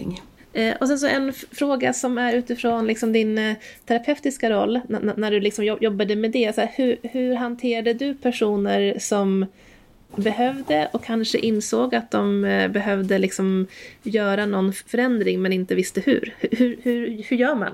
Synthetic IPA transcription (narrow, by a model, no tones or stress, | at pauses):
ŋ | ʔɔsɛns̬ɔʔɛnfɾoːɡasɔmæɾʉ̟ːt̪ɪfɾoːnlɪksɔmd̪ɪnt̪ʰæɾapʰɛft̪ɪskaɾɔlːnnæɖɵlɪksɔmjɔjɔbːad̪əmed̪ɛsæːhɵhɵɾɦant̪ʰeːɾad̪əd̪ɵpʰæʂuːnəɾsɔm | bɛɦœvd̪əʔɔkʰːanʂə̰ʔɪnsoːɡat̪̚d̪ɔmbɛɦœvd̪əlɪksɔmjœːɾanɔnːfœɾɛnd̪ɾɪŋmɛnɪnt̪əvɪst̪əhɵ̰ɾhhɵhɵɾhɵɾjœːɾma̰n